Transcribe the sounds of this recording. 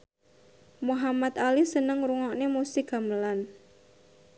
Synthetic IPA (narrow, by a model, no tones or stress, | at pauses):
muɦamat̪alisənəŋɾuŋɔʔnemusiɡa̤məlan